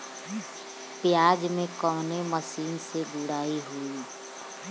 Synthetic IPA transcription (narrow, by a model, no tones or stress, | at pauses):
pjaːd͡ʒmẽkəʋneməsiːnseɡʊɽaːiɦui